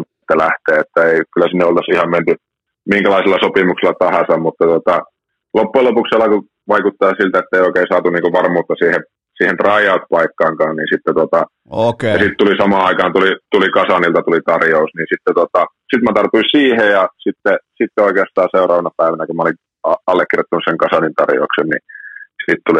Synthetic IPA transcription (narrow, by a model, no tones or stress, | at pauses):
t̪ːælæht̪eːet̪ːæeikylːˑæsinːeolt̪ɑsihɑmment̪y | miŋkælɑiselːɑsopimukselːˑɑt̪ɑhɑsɑmmut̪ːɑt̪uot̪ɑ | lopːuelopukselːˑɑku | ʋɑikut̪ːɑːsilt̪æet̪ːeioˑikeˑisɑːt̪uniːŋkoʋɑrmuːt̪ːɑsiːhe | siːhent̪rɑijɑut̪pɑikːɑːŋkɑːnniːnsit̪ːet̪ot̪ɑ | ojɑsit̪t̪ulisɑmɑːɑikɑːnt̪ulit̪ulikɑsɑnilt̪ɑt̪ulit̪ɑrjousniːnsit̪ːet̪ot̪ɑ | sit̪mæt̪ɑrt̪uisiːhejjɑsit̪ːesit̪ːeoikeɑst̪ɑːseurɑːʋɑnɑpæiʋænækumæoliŋ | ɑɑlːekːirjot̪ːunuseŋkɑsɑnint̪ɑ̰rjo̰uksennḭsit̪t̪uli